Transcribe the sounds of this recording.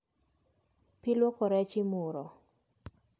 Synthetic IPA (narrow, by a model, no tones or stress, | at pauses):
pɪlwɔkɔɾɛt͡ʃɪmuɾɔ